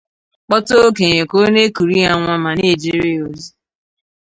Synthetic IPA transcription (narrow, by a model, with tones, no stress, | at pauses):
k͡pɔ˦to˦ke˨ɲe˨ko˦ne˦ku˨ɾi˦a˨ŋʷa˦ma˨ni˦˨d͡ʒi˦ɾi˦˨o˨zi˦